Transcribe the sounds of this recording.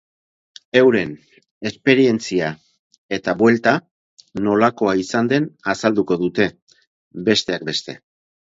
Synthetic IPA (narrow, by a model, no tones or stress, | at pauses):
e̞wɾe̞n | e̞spe̞ɾie̞nt͡sia | e̞t̪aβwe̞lt̪a | no̞lako̞aisand̪e̞nasald̪uko̞ðut̪e̞ | be̞st̪e̞ak̚be̞st̪e̞̰